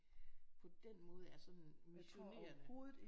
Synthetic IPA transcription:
pʰɒ̽d̥en̰mɔ̽ːð̞̩ˠæsɒ̽nmesʰoeːɐho̝ːðˠð̩ˠi

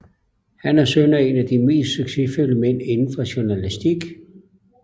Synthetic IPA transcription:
hænæɐsønɐe̝næd̥ime̝̰ːsd̥syɡ̥se̝føləmen̰e̝nn̩fɒ̽ɕuɐnælisd̥iɡ̥

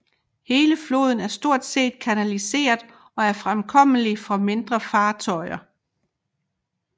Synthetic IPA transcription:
he̝ːləflo̝̰ːð̞̰ˠn̩æɐsd̥o̝ɐ̰d̥se̝̰ːd̥kʰænælise̝̰ːɐðˠ | ɒ̽æɐfʁamkʰɒ̽m̰əlifɒ̽me̝nd̥ʁɐfɑ̈ːt͡sʰɒ̽ɪɐ

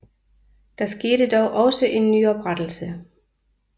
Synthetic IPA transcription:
d̥ɑ̈sɡ̥e̝ːɾəd̥ɒʊʔɒ̽səʔe̝nːy̰ːɒ̽b̥ʁad̥l̩sə

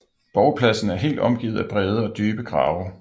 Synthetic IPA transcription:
b̥ɒʊpʰlæsn̩æɐɦe̝̰ːld̥ɒ̽mɡ̥iːð̞̩ˠæb̥ʁɛːð̞ˠəɒ̽d̥yːb̥əɡ̥ʁɑ̰̈ːʊɐ

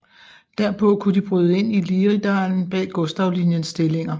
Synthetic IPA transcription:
d̥æɐpʰɔ̽kʰud̥ib̥ʁyːðˠəe̝n̰iliːʁid̥ɑ̈ːln̩b̥ɛ̰ːɡ̥ɔ̽sd̥ɑ̈ʊlinjənsd̥e̝le̝ŋɐ

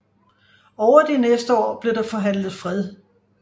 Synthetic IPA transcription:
ɒʊ̰ɐd̥inesd̥əɒ̰ːb̥le̝d̥ɑ̈fɒ̽ɦæn̰lð̩ˠfʁɛðˠ

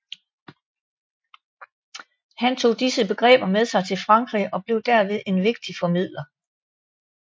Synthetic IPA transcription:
hænt͡sʰo̝̰ːd̥isəb̥e̝ɡ̥ʁɛ̰ːb̥ɐmeð̞ˠsɑ̈ɪt͡sʰe̝lfʁɑ̈ŋɡ̥ʁḭːɒ̽b̥le̝ʊd̥æɐ̰ʋe̝ð̞ˠe̝nʋe̝ɡ̥̚d̥ifɒ̽mið̞̰ˠlɐ

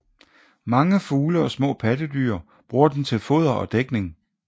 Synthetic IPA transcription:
mɑ̈ŋəfuːləɒ̽smɔ̰̽ːpʰæd̥əd̥yɐ | b̥ʁuːɐd̥ent͡sʰe̝lfo̝ðˠɐʔɒ̽d̥eɡ̥ne̝ŋ

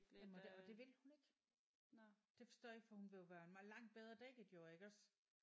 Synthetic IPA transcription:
æmɒdeɒ̽d̥e̝ʋe̝lhune̝ɡ̥ | d̥e̝fɒ̽sd̥ɔ̰ːeɡ̥fɒ̽hunʋe̝joʋæːɐenmɑ̈lɑ̈ŋ̰d̥̚b̥eð̞ˠʁɐd̥ɛɡ̥ed̥joeɡ̥ɒ̽s

